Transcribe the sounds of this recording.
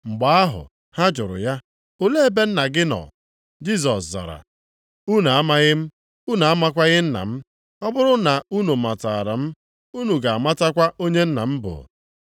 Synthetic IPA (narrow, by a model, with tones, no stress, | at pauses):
ŋ͡m̩˨ɡ͡ba˨a˦ɦʊ̰˨ | ha˦d͡ʒʊ˨ɾʊ̰˨ja˦ | o˦le˦e˦be˦n̩˦na˨ɡɪ˦nɔ̰˨ | d͡ʒi˦s̬ɔ˨sza̰˨ɾa̰˨ | u˦na˨a˦ma˦ɣɪ˦m̩˦ | u˦na˨a˦ma˦kʷa˦ɣɪ˦n̩˦na̰˨m̩˦ | ɔ˦bʊ˦ɾʊ˦na˨u˦nu˨ma˨ta˨a˨ɾa̰˨m̩˦ | u˦nu˨ɡa˨a˨ma˦ta˦kʷa˦o˦ɲe˦n̩˦na˨m̩˦bʊ̰˨